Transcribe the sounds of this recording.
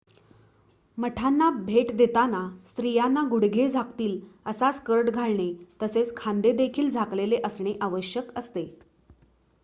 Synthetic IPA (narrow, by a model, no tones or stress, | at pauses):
məʈʰanːabʱeʈd̪et̪anast̪ɾijanːaɡuɽɡʱed͡zʱakt̪iːləsaskəɾʈɡʱaɭɳet̪əset͡skʰãnd̪ed̪ekʰiːld͡zʱakleleʔəsɳeʔaʋəɕjəkəst̪e